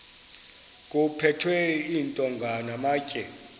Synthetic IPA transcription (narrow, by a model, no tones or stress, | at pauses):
k̬ʼupʰɛtʰwɛiːntʼɔŋɡʱanamaːcʼɛ